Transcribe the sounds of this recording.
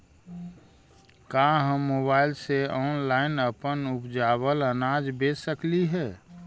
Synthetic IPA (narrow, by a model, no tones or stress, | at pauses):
kaɦə̃mːobaːɪlseɔːnlaːɪnəpənʊpd͡ʒaːbələnaːd͡ʒbeːsəkliɦɛː